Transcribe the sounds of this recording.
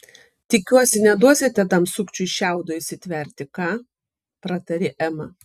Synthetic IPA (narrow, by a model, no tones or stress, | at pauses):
t̪ʲɪkʲuɔsʲɪnʲɛd̪uɔsʲɪt̪ʲɛt̪ɐmsʊkt͡ʃʲʊɪʃʲɛˑʊd̪oːɪʃʲsʲɪt̪ʲʋʲɛɾʲt̪ʲɪkɑː | pɾɐt̪ɐɾʲɪʔɛmɐ